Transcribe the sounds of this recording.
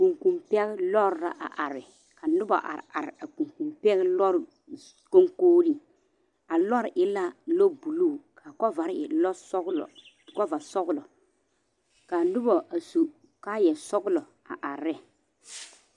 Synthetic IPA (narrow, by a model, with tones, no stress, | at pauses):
ku˨ŋku˨mpɛ˦ɣɪ˦lɔ˦ɾɾa̰˦ʔa̰˨ʔa˨ɾɪ˨ | ka˨nʊ˦bɔ̰˨ʔa̰˨ɾa̰˨ɾɪ˨a˨ku˨ŋku˨mpɛ˦ɣlɔ˦ɾ | ko˦ŋkoː˦ɾi˦ | a˨lɔ˦ɾʔɪ˦la˦lo˦bu˨luː˦˨kʰa˨kɔ˦va˨ɾɪ̰˨lɔ˦slɔ̰˨ | kɔ˦va˨sɔ˦ɣlɔ˨ | ka˨nʊ˦bɔ˨ʔa˨su˨ | ka˦jɛ˨sɔ˦ɡʊ˦lɔ˨ | a̰˨ʔa˨ɾɛ˦